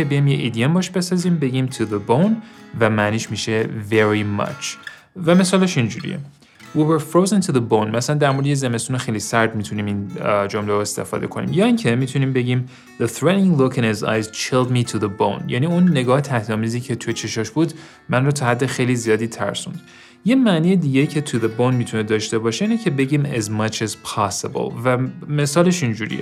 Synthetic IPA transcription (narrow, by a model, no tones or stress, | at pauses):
ebejijmjeʔid̪ijembɒʃbe̞sɒːziːmbe̞ɟiːmt̪ʰuðəbõwnvæmæniːʃmiʃeveɾimʌ̰t͡ʃʰ | væmesɒːleʃind͡ʒuɾḭjḛ | wiweɾfɾoːzent̪ʰuðəbõwnmæsælænd̪æɾmo̞ɾd̪ejezeme̞st̪uːnexejlisæɾd̪mit̪ʰuniːmind͡ʒomleɾoest̪e̞̰fɒ̰ːd̪e̞̰kʰonḭːmjɒːiŋcʰe̞miːt̪ʰuniːmbe̞ɟiːm | ðəθɾeĩŋɡlokɪ̃nheza̰jzt͡ʃʰeld̪mit̪ʰuðəbõ̰njʔæ̰niːunːe̞ɡɒːhet̪ʰæhd̪ɒːmiːziːcʰe̞t̪ʰujet͡ʃʰe̞ʃɒʃbuːd̪ | mænrot̪ʰɒːhæd̪ːexejliːzijɒːd̪iːt̪ʰæ̰ɾsṵ̃nd̪ | je̞mæniːjed̪iːɟeiːcʰe̞t̪ʰuðebownmiːt̪ʰuned̪ɒːʃt̪e̞bɒːʃeiːnecʰe̞be̞ɟiːmæ̰zmʌt͡ʃʰæzpʰɑsebo̰lˠvæme̞sɒːle̞ʃind͡ʒuːɾḭje